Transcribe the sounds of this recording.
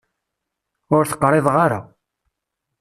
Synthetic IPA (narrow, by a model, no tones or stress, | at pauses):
ʊɾθə̥qːɾˤeðˤʁaɾa̰